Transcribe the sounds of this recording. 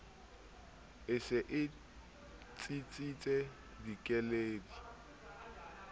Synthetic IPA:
ɪsɪʔɪ | t͡sʼit͡sʼit͡sʼɛ | dikʼɛleːdi

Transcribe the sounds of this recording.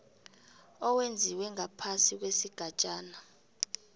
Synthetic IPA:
ɔwend͡zʱiwɛŋapʰasik̬wesiɡ̥ʱat͡ʃʼaːna

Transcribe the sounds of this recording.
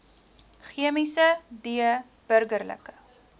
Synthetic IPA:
χiəmisədiə | b̥ərɡərlə̰kə

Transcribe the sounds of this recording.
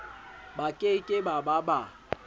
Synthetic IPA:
bakʼekʼɪbababa

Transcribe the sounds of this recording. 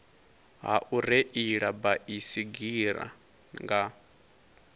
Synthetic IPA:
ɦa̰ʔuɾeʔiɺabaʔisiɡiɾa̰ | ŋɡa

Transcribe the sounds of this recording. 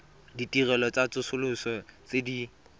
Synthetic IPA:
ditʼirɛlɔt͡sat͡sʊsʊlʊsɔt͡sedi

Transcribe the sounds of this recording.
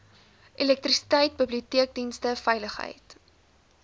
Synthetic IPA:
ʔilɛk̚trisi̥tɐjt̚bibliutiək̚dinstəfɛjləχɦə̰jt

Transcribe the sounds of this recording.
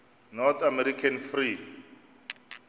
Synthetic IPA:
nɔt̪ʰamɛɾikʰanfri

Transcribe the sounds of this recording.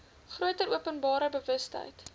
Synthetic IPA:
χruətəɾʔuəpənbɑːɾəbəvəstɦə̰jt

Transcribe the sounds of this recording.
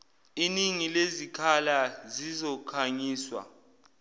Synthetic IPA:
iniŋilezikʰalazizɔkʰaɲiːswa̰

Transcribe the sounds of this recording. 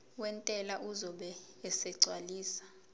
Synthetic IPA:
wɛntʼɛlaʔuzɔɓɛː | sɛɡ͡ǀʱwaliːsḁ

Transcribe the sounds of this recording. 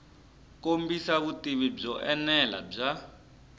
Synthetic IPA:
kombisaβutiβib͡ʐɔʔɛnɛla̰b͡ʐa

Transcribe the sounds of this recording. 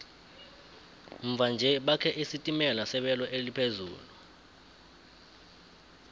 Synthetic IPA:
ɱ̩vʱand͡ʒʱɛɓakʰɛʔisitʼimɛlasɛɓɛlɔʔelipʰezṵːlu

